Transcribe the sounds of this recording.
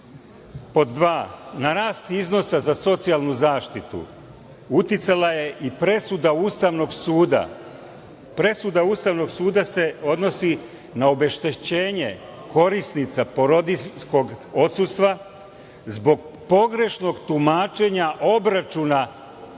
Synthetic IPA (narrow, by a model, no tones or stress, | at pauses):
po̞d̪ːʋaːnaɾaːst̪izno̞sazaso̞t̪sijalˠnuzaːʃt̪it̪ṵ | ut̪jit̪salaje̞ʔipɾe̞sud̪auːst̪aʋno̞ɡsuːd̪a̰ | pɾe̞sud̪auːst̪aʋno̞ɡsuːd̪ase̞o̞d̪no̞si | naobe̞ʃt̪et͡ɕe̞ːɲe | ko̞ɾisnit̪sapo̞ɾod̪isko̞ɡo̞t̪sust̪ʋa | zbo̞ɡpo̞ɡɾe̞ʃno̞ɡt̪umaːt͡ʃe̞ɲaʔo̞bɾat͡ʃuna